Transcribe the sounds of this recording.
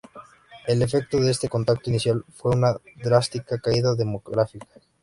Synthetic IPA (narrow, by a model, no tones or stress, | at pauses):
ele̞fek̚t̪oðest̪eko̞nt̪ak̚t̪oiniθjalfweunaðɾast̪ikakaiðaðemoɣɾafikḁ